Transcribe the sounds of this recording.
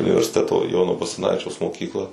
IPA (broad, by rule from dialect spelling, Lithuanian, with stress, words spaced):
ʊnʲɪʋʲɛrʲsʲɪˈtʲæːtoː ˈjoːnoː bɐsɐˈnɑːʋʲɪt͡ʃʲɛʊs moːˈkʲiːklˠɐ